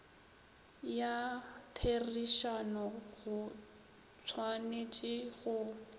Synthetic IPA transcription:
jatʰeriʃanɔɣʊ | t͡sʰwanet͡ʃʼɪɣʊ

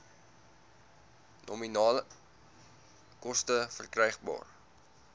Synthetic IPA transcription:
nɔminɑːlə | kɔstəfərkrɛjχbɑ̰ːr

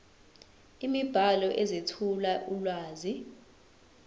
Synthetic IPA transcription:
imib̥ʱalɔʔɛzetʰulaʔulwaːzi

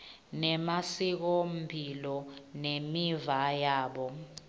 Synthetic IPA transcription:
nɛmasik̬ɔm̩bʱilɔnemivajaːɓɔ

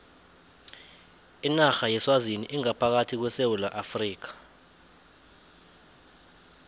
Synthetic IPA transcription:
inaxajɛswaziniʔiŋapʰak̬atʰik̬wɛsewulaʔafriːk̬ḁ

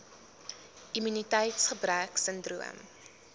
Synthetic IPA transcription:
ʔimynitɛjtsχəbræksəndruə̰m

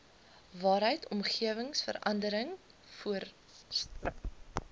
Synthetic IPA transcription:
vɑːɾɦəjtʰɔmχiəvəŋsfə̰ɾɐ̰ndəɾəŋ | fuər | strəf

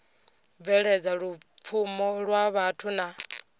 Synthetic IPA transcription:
vɛɺɛd͡zaɺup̪fʰumɔɺwaβatʰuna

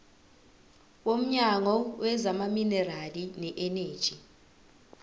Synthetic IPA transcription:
wom̩ɲaŋɔwɛzamaminɛralinɛʔɛneːd̥ʒ̥ʱi

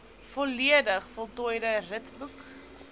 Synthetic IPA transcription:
fɔliədəχfɔlˠtɔjdərətbuk

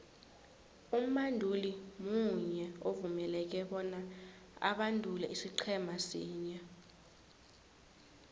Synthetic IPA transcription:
um̩mandʱulimuɲɛovumɛlɛk̬ɛɓɔna | a̰ɓandʱulɛʔisiǃʰɛmasiːɲɛ

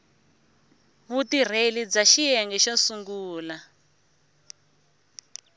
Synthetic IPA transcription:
βutir̤elid͡zaʃijɛŋɡɛʃɔsuŋɡuːla

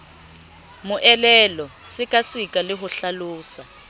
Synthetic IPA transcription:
mʊʔɛlɛlɔsɪkʼasikʼalɪɦʊɬaluːsa

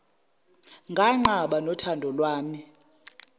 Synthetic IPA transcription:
ŋɡʱaŋ͡ǃaɓanɔtʰandʱɔlwaːmi

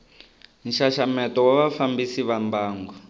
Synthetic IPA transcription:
n̩ʃaʃamɛtɔwaβafambisiβambaːŋɡɔ

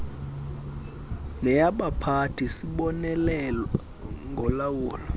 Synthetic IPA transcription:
nɛjaɓapʰatʰisiɓɔnɛlɛlɔ | ŋɡʱɔlawuːlɔ

